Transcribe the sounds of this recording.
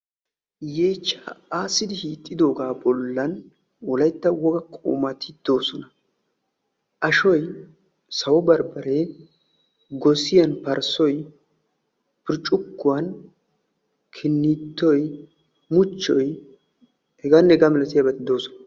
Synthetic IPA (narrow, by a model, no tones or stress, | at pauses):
jeːt͡ʃːaaːsːɪd̪ɪhiːt̪ʼːɪd̪o̞ːɡaːbɔlːɐn | wɔlɐjt̪ːɐwɔɡɐkʼo̰ːmɐt̪ʰɪd̪̥o̞ːsɔnɐ | ʔɐʃɔj | sɐwɔbɐɾbɐɾe | ɡɔsɪjɐnpɐɾsɔj | pɪɾt͡ʃʼːʊkːʊwɐn | kʰɪnːɪt̪ːɔj | mʊt͡ʃːɔj | hɛɡaːnːɛɡamɛlɐt̪ɪjɐbɐt̪ːɪd̪o̞ːsɔnɐ